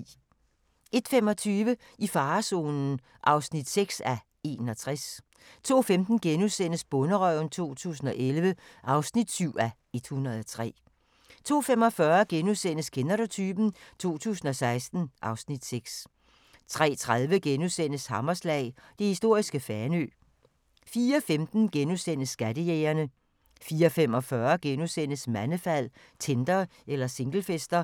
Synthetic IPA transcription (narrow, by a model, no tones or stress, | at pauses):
ʔe̝d̥femɒ̽t͡sʰyːʋə | ifɑ̈ːso̝̰ːnn̩ | ʔɑ̈ʊsnid̥seɡ̥sæ | e̝̰ːnɒt͡sʰʁas | t͡sʰo̝̰ːfemd̥n̩ɡ̥enusen̰əsb̥ɔ̽nəʁœʊ̰nt͡sʰo̝̰ːt͡sʰṵːs̬n̩ɒ̽ʔelʋəʔɑ̈ʊsnid̥syʊ̰æ | e̝d̥hunʁɐðˠɒt͡sʰʁɛ̰ː | t͡sʰo̝̰ːfem̰ɒ̽fɶɐɡ̥enusen̰əskʰenɐɾot͡sʰyːb̥n̩t͡sʰo̝̰ːt͡sʰṵːsn̩ɒ̽sɑ̈ɪsd̥n̩ʔɑ̈ʊsnid̥seɡ̥s | t͡sʰʁɛ̰ːt͡sʰʁað̞ˠʋəɡ̥enusen̰əshɑ̈mɐslɛ̰ːɪd̥e̝hisd̥o̝ɐ̰isɡ̥əfæɐnø̰ː | fiːɐɒfemd̥n̩ɡ̥enusen̰əsːɡ̥ædəjeːɐnə | fiːɒfemɒ̽fɶɐɡ̥enusen̰əsmænəfæl̰ | t͡sʰend̥ɐ | elɐse̝ŋɡ̥l̩fesd̥ɐ